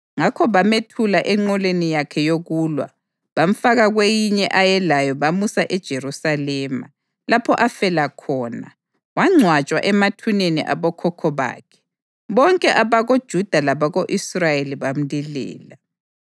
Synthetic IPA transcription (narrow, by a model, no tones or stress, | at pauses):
ŋakʰɔβametʰulaʔɛŋ͡ǃɔlenijakʰɛjoɣuːlwa̰ | βaɱ̩faɣaɣwejiɲɛʔajɛlajɔβamusaʔɛd̥ʒ̥ʱerusalɛːma̰ | lapʰɔʔafɛlakʰɔːna̰ | waŋ͡ǀʱwat͡ʃʼwaʔɛmatʰuneniʔa̰βɔkʰɔkʰɔβa̰ːkʰɛ̥ | βɔŋkʼɛʔaβaɣod̥ʒ̥ʱud̥ʱalaβaɣoʔisrajeliβam̩lilɛ̰ːla